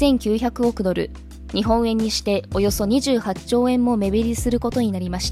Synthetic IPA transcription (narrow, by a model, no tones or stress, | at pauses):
ẽ̞ŋkʲɨːçakɯ̟o̞kɯ̟d̪o̞ɾɯ̟̰ | ɲ̟iɦõ̞ɰ̃ẽ̞ɲ̟ːiɕi̥t̪e̞o̞jo̞so̞ɲ̟iʑɨːhat͡ɕo̞ːẽ̞mːo̞me̞βeɾʲisɨɾɯ̟ko̞t̪o̞ɲ̟inaɾʲimaɕi̥t̪